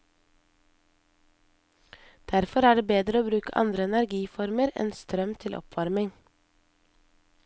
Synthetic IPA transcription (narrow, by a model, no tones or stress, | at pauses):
d̪̥æɾfɔɾæːɖeːbeːd̪ɾəoːbɾʉːkəʔɑ̰nd̪ɾəɛnæɾɡiːfɔɾməɾɛ̰nst̪ɾœmt̪ʰɪlʔɔ̰pʰʋɑɾmɪŋ